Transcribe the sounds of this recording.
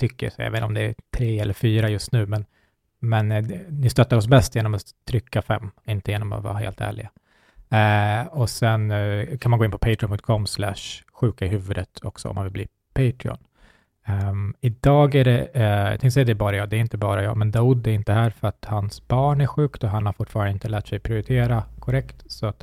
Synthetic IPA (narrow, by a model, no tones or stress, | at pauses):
t̪ʰʏkːəsɛjɑ̰veːt̪ɔmd̪ɛæt̪ʰɾeːɛlːəɾfyːɾajɵst̪nʉ̟ːmɛn | mɛnnɪst̪œt̪ːaɾɔsbɛst̪jeːnɔmatt̪ʰːɾʏkʰːafɛ̰mːɪnt̪əjeːnɔma̰vɑ̰ːɾaɦḛːlt̪ʰæ̰ːɭɪ̰ɡa | ɔsɛnkʰanmanɡoːɪnːpʰɔpʰɛɪtʰɾɪɔpʰɵŋt̪̚kʰɔmslæ̰ʂɧʉ̟ːkaɪɦʉ̟ːvɵd̪ət̪ʰɔ̰ksɔ̰ɔ̰mːanvɪlblḭː | pʰɛɪt̪ʰɾɪɔ̰n | ɪd̪ɑːɡæɖɛ̰t̪ʰɛŋsɛjad̪ɛːbɑːɾajɑːd̪ɛæɾɪnt̪əbɑːɾajɑ̰ːɡmɛnd̪aud̪æɾɪnt̪əɦæːɾfœɾat̪hansbɑːɳæɧʉ̟ːkt̪ɔɦanhaɾfʊʈːfɑːɾand̪əɪnt̪əlæːʈsɛjpʰɾɪʊɾɪt̪ʰeːɾakʰɔɾɛkt̪sɔat̪